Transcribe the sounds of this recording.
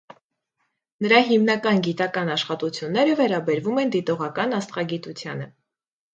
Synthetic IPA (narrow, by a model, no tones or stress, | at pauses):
nəɾɑɦimnɑkɑnɡit̪ɑkɑnɑʃχɑt̪ut͡sʰjunːɛɾəvɛɾɑbɛɾvumɛnd̪it̪ɔʁɑkɑnɑst̪χɑɡit̪ut͡sʰjɑ̰nə